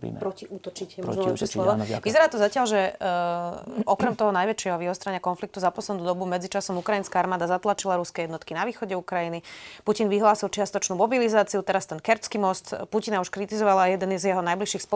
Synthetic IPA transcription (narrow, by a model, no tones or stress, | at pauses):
pɾɔciut̪ɔt͡ʃicɛmɛʃɛslɔɔʋizɛɾaːt̪ɔzacɪalʒɛ | ɔkɾɛmt̪ɔɦɔnajʋɛt͡ʃɪɛɦɔʋiɦɔst̪ɾaɲɪakɔnflik̚t̪uzapɔslɛd̪nuːd̪ɔbumɛd͡zit͡ʃasɔmukɾajinskaaɾmaːd̪azat̪lat͡ʃilaɾuskɛjɛd̪nɔt̪kinaʋiːxɔɟɛukɾajinipucinʋiɦlaːsilt͡ʃɪast̪ɔt͡ʃnuːmɔbilizaːt͡siut̪ɛɾast̪ɛnkɛɾt͡skimɔst̪pucinauʃkɾit̪izɔʋalaːjɛd̪ɛnzjɛɦɔnajbliʃiːxspɔ